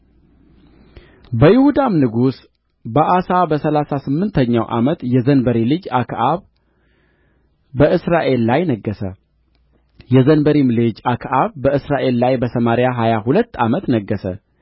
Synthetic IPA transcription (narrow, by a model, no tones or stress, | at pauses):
bəjɪhud̪amnɨɡus | bəʔasabəsəlasasɨmːɨnt̪ʰəɲːawʔa̰mət̪jɛzənbəɾilɨd͡ʒakʰʔaβ | əʔɨsɾaʔe̞lːajnəɡːəsə | jɛzənbəɾimlɨd͡ʒakʰʔaβːəɨsɾaʔe̞lːajbəsəmaɾjaɦajaɦulət̪ːa̰mət̪nəɡːəsə̰